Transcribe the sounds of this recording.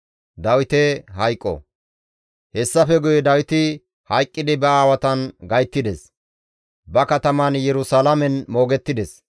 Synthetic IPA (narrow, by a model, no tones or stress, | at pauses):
d̪ɐwɪt̪ɛɦɐjkʼːɔ̰ | hɛsːɐfɛɡʊjɛd̪ɐwɪt̪ɪ | hɐjkʼːɪd̪ɪbɛaːwɐt̪ɐnɡɐjt̪ːɪd̪ɛs | bɐkɐt̪ɐmɐnjɛɾʊsalamɛnmo̞ːɡɛt̪ːɪd̪ɛs